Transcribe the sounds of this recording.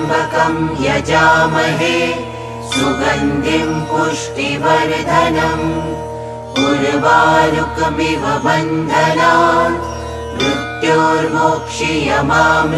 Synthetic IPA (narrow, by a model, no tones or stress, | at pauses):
bʱɐkɐmjɐd͡ʒaːmɐɦeː | suɡɐnd̪ʱimpuʂʈiʋɐɾd̪ʱɐnɐm | kuɾʋaːnukmiʋɐbɐnd̪ʱɐnaː | bɾut̪joːɾmoːkʂijɐmaːm